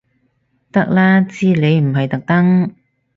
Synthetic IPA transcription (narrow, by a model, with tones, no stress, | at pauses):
t̪ɐ˥k̚laː˥t͡siː˥le˨˧jm̩˨˩ɦɐ˨jt̪ɐ˨k̚t̪ɐ˥ŋ